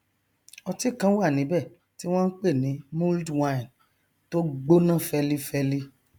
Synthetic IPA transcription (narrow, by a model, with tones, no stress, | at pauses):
ɔ˧ti˦˨kã˦wa˦˨nĩ˨˦bɛ˦˨ | ti˦w̃ɔ̃˦n̩˦k͡pe˦˨nĩ˨˦mũ˦ldwã˦ĩ˨n | to˦ɡ͡bo˦nã˦˨fɛ˧li˦fɛ˦li˦